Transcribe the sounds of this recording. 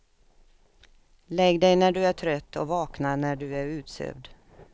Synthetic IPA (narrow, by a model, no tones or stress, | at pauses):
lɛɡd̪ɛjnæɖɵæʈʰɾœt̪ːɔvɑːknanæɖɵæɾʉ̟ːt̪sø̰ːvd̪